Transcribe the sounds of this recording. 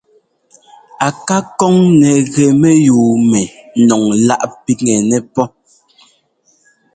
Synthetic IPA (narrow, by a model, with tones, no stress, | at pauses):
a˨ka˦kɔ˦ŋnɛ˨ɣɛ˨mɛ˦juː˨mɛ˨nɔ˨ŋla˦ʔpi˦ŋɛ˨nɛ˨pɔ˦